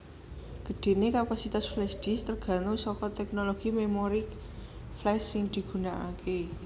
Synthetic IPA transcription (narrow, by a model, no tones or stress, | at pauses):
ɡ̥ə̤ɖ̥e̤nekapasit̪asflɛsd̪̥i̤st̪ərɡ̥ä̤nosɔkɔt̪ɛk̚noloɡ̥imemoɾik | flɛsːɪŋd̪̥i̤ɡ̥ṳnaʔake